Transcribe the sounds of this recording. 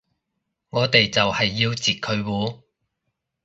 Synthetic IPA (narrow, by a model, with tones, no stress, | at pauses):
ŋɔː˨˧t̪e˨jt͡sɐ˨whɐ˨jːiː˧wt͡siː˨˩t̚kʰɵ˨˧ɥwuː˨˥